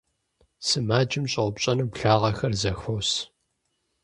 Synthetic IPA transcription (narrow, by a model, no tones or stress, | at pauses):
sɨmaːd͡ʒʼɪmɕʼɐwʷʊpɕʼɐnɨpɬaːʁɐxɐrzɐxɐws